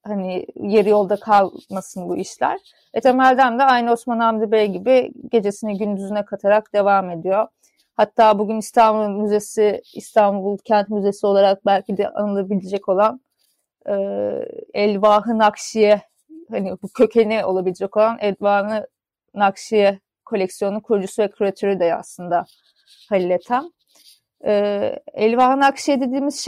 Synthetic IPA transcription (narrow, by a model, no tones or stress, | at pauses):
hanijeɾijo̞lˠd̪akʰalˠmasɯnbuiʃlʲæ̰ɾ̥ | vɛt̪ʰe̞mælʲd̪ænd̪ɛajnɯo̞smanamd̪ibɛjɟibiɟ̥e̞d͡ʒe̞sinɛɟynd̪yzynɛkʰat̪ʰaɾakd̪̥e̞vaːme̞d̪ijo̞ | hat̪ʰːaːbuɟynist̪ʰanbulˠmyze̞siist̪ʰanbulˠcʰænt̪myze̞sio̞lˠaɾak̚bælʲcʰid̪ɛ̰ʔa̰nɯlˠabilʲed͡ʒɛco̞lˠan | ɯːɛlʲvaɦɯnakʃijɛ | hanibucʰø̞cʰe̞nɛo̞lˠabilʲed͡ʒɛco̞lˠanʔɛlʲvanɯ | nakʃijɛ | kʰo̞lʲɛcsijo̞nukʰuɾd͡ʒusuvɛkʰuɾat̪ʰøɾyd̪ɛa̰slˠɯnd̪a | halʲilʲːet̪ʰæm | ɛ̰lʲvahɯnakʃijɛd̪e̞d̪iːmizʃ